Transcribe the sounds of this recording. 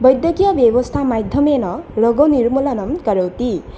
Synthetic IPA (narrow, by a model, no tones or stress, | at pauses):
bʌjd̪jʌkijʌbjebʌst̪ʰamajd̪ʱjʌmenʌrʌɡonirmulʌnʌmkʌɾʌwt̪i